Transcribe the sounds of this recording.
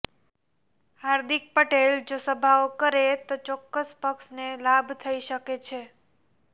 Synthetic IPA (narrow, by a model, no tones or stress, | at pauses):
haɾd̪ik̚pəʈeld͡ʒosəbʱaokəɾet̪ot͡ʃɔkːəspəkʃnelabt̪ʰəiʃəket͡ʃʰe